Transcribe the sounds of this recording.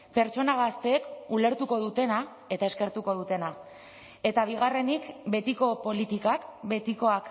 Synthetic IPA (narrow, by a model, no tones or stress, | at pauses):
pe̞ɾt͡ʃo̞naɣ̞ast̪e̞ːkule̞ɾt̪uko̞ð̞ut̪e̞na | e̞t̪ae̞ske̞ɾt̪uko̞ð̞ut̪e̞na | e̞t̪aβ̞iɣ̞are̞nikbe̞t̪iko̞po̞lit̪ikakbe̞t̪iko̞ak